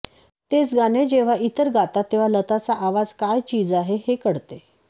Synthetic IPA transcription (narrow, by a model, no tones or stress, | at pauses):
t̪et͡sɡaned͡ʑeʋ̤aʔit̪əɾɡat̪at̪ːeʋ̤alət̪at͡saʔaʋad͡zkajt͡ɕiːd͡zaɦehekəɽt̪e